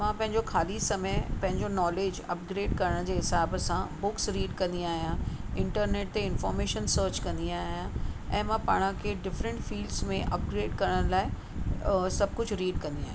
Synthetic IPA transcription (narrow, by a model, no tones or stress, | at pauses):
mãpɐ̃ɦɪ̃ɲd͡ʑoxʰaːlisɐmepɐ̃ɦɪ̃ɲd͡ʑonɔːleːd͡ʑɐ̰pɡɾeːɖkɐɾəɽ̃d͡ʑeːɦɪsaːbəsãbʊksɾiːɖkɐ̃nd̪iaːɦijãɪ̃ɳʈəɾneːʈ̚t̪eɪ̃nfɔːɾmeːʃənsəːɾt͡ɕkɐ̃nd̪iaːɦijãɛ̰̃ːmãpaːɽ̃ə̃kʰeɖɪfɾə̃ɳʈfiːlɖsmẽʔɐ̰pɡɾeːɖkɐɾəɽ̃laːɪ | sɐb̚ʱkʊd͡ʑʱɾiːɖkɐ̃nd̪iaːɦj̃